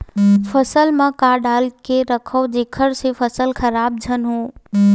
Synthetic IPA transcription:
fʰəsəlmãkaːɖaːlkeɾəkʰəʋd͡ʒekʰəɾsefʰəsəlkʰəɾaːb̚d͡ʒʱənɦõː

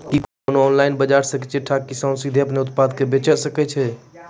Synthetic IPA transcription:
kikonɔːnlaːɪnbəd͡ʒaɾsə̃kɛt͡ʃʰeʈʰːak̚kisɔ̃nsid̪ʱiəpneʊt̪̚pad̪kebet͡ʃəɾsəkɛt͡ʃʰɛ

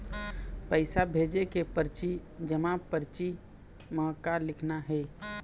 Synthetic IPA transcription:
pəɪsabʱed͡ʒekepəɾt͡ʃid͡ʒəmãpəɾt͡ʃi | məkalɪkʰnaɦɛ

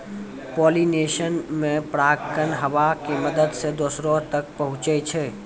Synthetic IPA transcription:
poːlineːʃənmẽpɾaːkənɦɐʋakeməd̪əd̪sed̪osɾõt̪ək̚pəɦʊ̃t͡ʃət͡ʃʰɛ

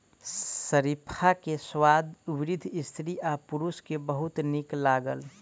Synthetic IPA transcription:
əɾipʰakeswad̪ubɾɪd̪ʱist̪ʰɾiʔapuɾuskebəɦʊt̪niklaːɡəl

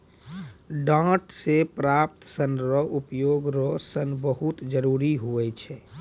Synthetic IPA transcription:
ɖãʈsepɾap̚t̪sənɾɔʔupjoɡɾɔsənbəɦut̪d͡ʒəɾuɾiɦoɛt͡ʃʰɛ

